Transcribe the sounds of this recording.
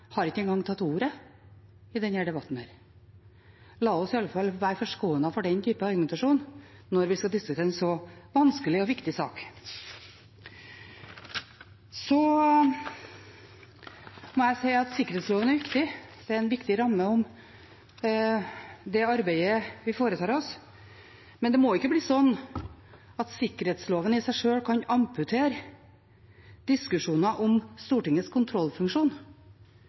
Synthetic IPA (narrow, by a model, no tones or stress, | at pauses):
hɑɾɪkːəɛnɡɑŋːt̪ʰɑt̪ːuːɾə | ɪd̪ɛnhæɖɛbɑt̪ːn̩hæ̰ːɾ | lɑːɔsɪɑlːəfɑlːʋæːɾfɔʂɡoːənɑfɔɖɛnt̪ʰyːpəɑɾɡmɛnt̪ɑʂuːnːɔɾʋɪskɑd̪ɪskʉt̪ʰeːɛnsɔʋɑnskəlɪɔʋɪkt̪ɪsɑ̰ːk | sɔ | mɔæɪsæɪɑt̪sɪkːəɾɛːt̪sloːʋənæɾʋɪkt̪ɪd̪̥ɛæɾɛnʋɪkt̪ɪɾɑmːəɔm | d̪ɛɑɾbæɪəʋɪfoːɾət̪ʰɑːɾɔs | mɛnd̪ɛmoɪkːəbliːsɔnː | ɑt̪sɪkːəɾheːt̪sloːʋənɪsæɪʂøːɽkʰɑɲɑmpʉt̪ʰeːɾ | d̪ɪskʉʂuːnɑʔɔmst̪uːʈɪŋːəskʰʊnt̪ʰɾɔlːfʉŋkʂuːn